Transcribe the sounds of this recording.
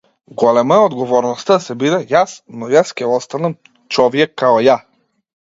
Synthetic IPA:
ɡɔlɛmaod̪ɡovɔɾnost̪asɛbid̪ɛjasnojaskʲɛɔst̪anɐm | t͡ʃɔvijɛkːaɔja

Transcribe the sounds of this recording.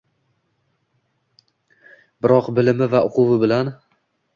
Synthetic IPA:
bɪɾɒqbɪlɪmɪvaʔʊqʰʊvɪbɪlan

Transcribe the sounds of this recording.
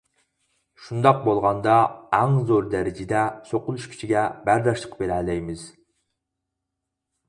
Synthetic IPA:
ʃund̪ɑq̚bolˠʁɑnd̪ɑæŋzoɾd̪ɛɾɪd͡ʒɪd̪ɛsoqʊlˠuʃkʲʰi̥t͡ʃʰiɡʲɛbæɾd̪ɑʃlˠə̥qbeɾɛlɛjmɪz̥

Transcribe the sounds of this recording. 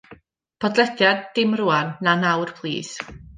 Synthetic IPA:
pʰɔdlˠɛdjad̚ɪmruːanːanawrpʰlˠḭːs

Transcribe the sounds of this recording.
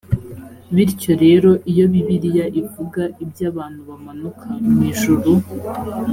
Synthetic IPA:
βiɾco̞ɾe̞ːɾo̞ʔijo̞βiβiɾijaʔivuɡaʔibjaːβaːn̥huβamanukʰamiːʒuɾu

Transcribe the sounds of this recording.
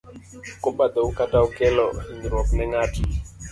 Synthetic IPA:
kobad̪ɔukataukɛlɔiŋiɾwɔknɛŋaːtʰi

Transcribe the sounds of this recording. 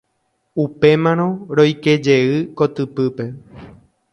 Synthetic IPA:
upe̞mãɾ̃õ̞ɾo̞jke̞d͡ʒe̞ɨkot̪ɨpɨpe̞

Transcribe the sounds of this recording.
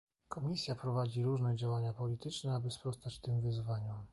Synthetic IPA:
kɔmʲisʲjapɾɔvad͡ʑiɾuʐnɛd͡ʑawaɲapɔlʲit̪ɘt͡ʂnɛabɘspɾɔst̪at͡ɕt̪ɘmvɘzvaɲɔm

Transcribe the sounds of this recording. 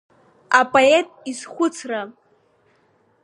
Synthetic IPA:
apʼoetʼizχʷʊt͡sʰra

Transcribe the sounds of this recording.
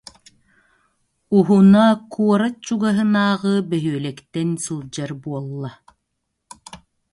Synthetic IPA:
uɦunakuɔɾat͡ɕuɡaɦɯnaːʁɯbɛɦyœlɛkt̪ɛnsulˠd͡ʑaɾbuɔlˠːa

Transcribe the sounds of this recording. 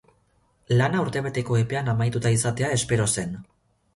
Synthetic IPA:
lanauɾt̪e̞β̞e̞t̪e̞ko̞e̞pe̞anamajt̪ut̪aisat̪e̞ae̞spe̞ɾo̞se̞n

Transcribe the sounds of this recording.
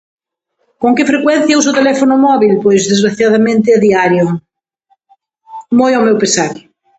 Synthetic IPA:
koŋkɪfɾekwɛn̟θjawsot̪elɛfonʊmɔβilpojzðezɣɾaθjaðamẽnt̪ɪaðiaɾjo | mojawmewpesaɾ

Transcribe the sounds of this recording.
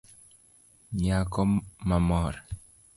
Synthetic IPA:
ɲakɔmamɔɾ

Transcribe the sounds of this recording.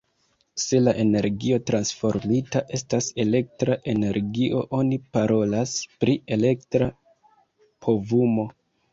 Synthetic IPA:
se̞laʔe̞ne̞ɾɡio̞tɾansfo̞ɾmitaʔe̞stase̞le̞k̚tɾaʔe̞ne̞ɾɡiʔo̞ʔo̞nipaɾo̞laspɾie̞le̞ktɾa | pʰo̞vumo̞

